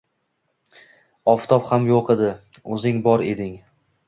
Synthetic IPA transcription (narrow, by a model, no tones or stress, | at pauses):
ɒft̪ʰɒphamjoqʰed̪ɪ | ɵzɪŋbɒɾe̞d̪ɪŋ